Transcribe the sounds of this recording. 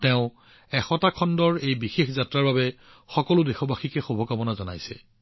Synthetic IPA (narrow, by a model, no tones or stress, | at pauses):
tɛʊ̃ | ɛxɔtakʰɔndɔɹejbixexzatɹaɹbabɛ | xɔkɔlʊdɛxɔbaxikɛxubʱɔkabɔnazɔna̰jsɛ̰